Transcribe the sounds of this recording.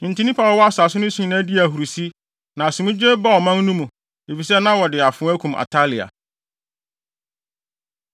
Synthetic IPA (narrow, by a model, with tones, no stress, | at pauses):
nĩ˨n̩˨tʰĩ˦nĩ˦pʰa˨wɔ˨˦wɔ˦a˦sʊ˨a˨sʊ˦nʊ̃˦sĩ˨˦˨nã˦di˦æ˨ɦu˨ɾu˨si˦ | nã˨sũ˨mũ˦d͡ʑe˦ba˦ɔ˨mã˦n˦nũ˦mũ˨ | e˨fi˨sɛ˦nã˦wɔ˨dɪ˨a˨fʊ̃˨˦æ˦kʰũ˨mʔa̰˨tʰa˦lɪ˨a̰˨